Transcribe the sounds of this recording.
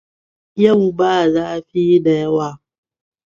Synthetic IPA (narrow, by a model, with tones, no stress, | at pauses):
ja˦wu˨baː˦˨zaː˦ɸi˦da˨ja˦waː˦˨